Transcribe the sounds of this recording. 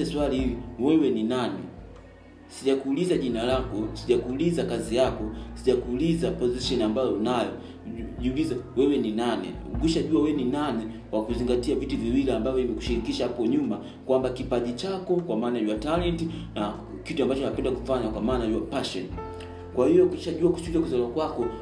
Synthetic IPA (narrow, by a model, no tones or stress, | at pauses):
ɛswaliliwɛwɛninanɛ | siʄakuːlizaʄinalakɔsiʄakuːlizakazijakɔsiʄakuːlizapɔziʃɔniambajɔnajɔ | ʄiulizawɛwɛninanɛ̰ | kwiʃaʄuawɛninanɛ | wakuziŋɡatiavituviwiliambavjɔimɛku̥ʃiɾikiʃahapɔɲuma | kwambakipaʄit͡ʃakɔkwamaːnajwatalɛntina | kituambat͡ʃɔnapɛndakufaɲakwamaːnajuwapaʃɔni | kwahijɔkiʃaʄuaku̥suliakuzalakwakɔ